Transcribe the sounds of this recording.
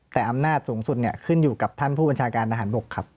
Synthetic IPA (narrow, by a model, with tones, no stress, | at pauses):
t̪ɛː˨˩ʔa˧mnaː˥˩t̪̚suː˩˦ŋsu˨˩t̪̚ni˥˩ɐkʰɯ˥˩njuː˨˩ka˨˩p̚t̪ʰa˥˩npʰuː˥˩ba˧nt͡ɕʰaː˧kaː˧nt̪ʰa˧ɦaː˩˦nbo˨˩kʰːa˦˥p̚